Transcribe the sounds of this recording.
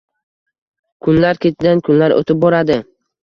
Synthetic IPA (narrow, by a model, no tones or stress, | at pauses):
kʰʊnlaɾkʲʰe̞t̪ʰɪd̪ankʰʊnlaɾo̰t̪ʰɪp̚bɒɾad̪ɪ